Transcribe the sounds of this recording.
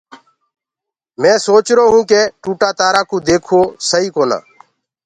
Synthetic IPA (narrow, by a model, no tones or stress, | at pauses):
mẽːsoːt͡ʃɾoːɦũːkeːʈuːʈaːt̪aːɾaːkũːd̪eːkʰoːsəɦiːkoːna̰ː